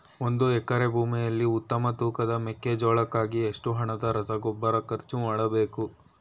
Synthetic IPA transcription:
o̞nd̪uɛkːɐɾe̞bʱuːmijɐlːiut̪ːɐmɐt̪uːkɐd̪ɐmekːed͡ʒɔːɭɐkːaːɡieʂʈuɦɐɳɐd̪ɐɾɐsɐɡɔbːɐɾɐkɐɾt͡ʃːumaːɽɐbe̞ːku

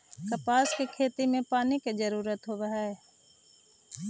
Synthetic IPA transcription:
kəpaːskekʰeːt̪imẽpaːniked͡ʒəɾuːɾət̪ɦoːʋəɦɛe

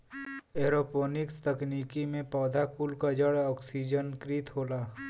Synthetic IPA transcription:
eːɾoːpoːnɪkst̪ɐkniːkimẽpɔːd̪ʱakuːlkad͡ʒəɽɔːksid͡ʒənkɾit̪ɦoːlaː

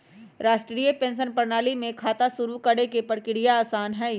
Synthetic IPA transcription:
ɾaːʃʈɾɾiːəpẽːnʃ̬ənpɐɾnaːlimẽkʰaːt̪asʊɾukɐɽekepəɽkɪɽijaːsaːnɦɛː

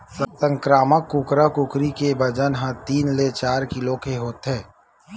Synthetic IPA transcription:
ssə̃ŋkɾaːməkːʊkɾakʊkɾikebɐd͡ʒənɦə̃t̪iːnlet͡ʃaːɾkɪlokeɦoːt̪ɦɛː

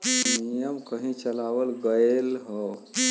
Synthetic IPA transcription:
nijəmkəɦĩt͡ʃəlawəlɡəelɦə

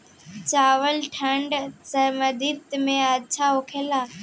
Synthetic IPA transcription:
t͡ɕaːʋəlʈʰə̃ɳɖsɐməd̪ʱɪt̪mẽɐt͡ɕʰaokʰeːlaː

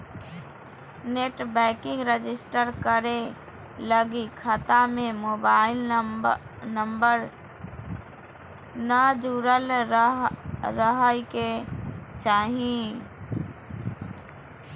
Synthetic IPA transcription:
neʈbɛkɪ̃ŋɡɾed͡ʒɪsʈəɾkəɾe | ləɡikʰət̪amemobaɪl | nəmbəɾ | nəd͡ʒuɾəl | ɾəɦəjket͡ʃaɦĩ

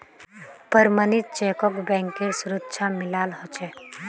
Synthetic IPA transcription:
pəɾmənit̪̚t͡ʃeːkɔkbɛ̃ːŋkeɾsʊɾətːʃʰamɪlaːlɦɔt͡ʃɛ

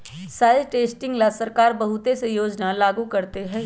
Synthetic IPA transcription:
saːɪzʈeːsʈɪ̃ŋɡlasɐɾkaːɾbɐɦʊt̪esejoːd͡ʒnalaːɡukɐɾt̪eɦɛ̃ː

